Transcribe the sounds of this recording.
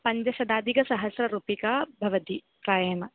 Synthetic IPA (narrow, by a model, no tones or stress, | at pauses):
pɐɲd͡ʒɐʃɐd̪aːd̪ʱikɐsɐɦɐsɾɐɾuːpikaːbʱɐʋɐt̪i | pɾaːjɐmɐ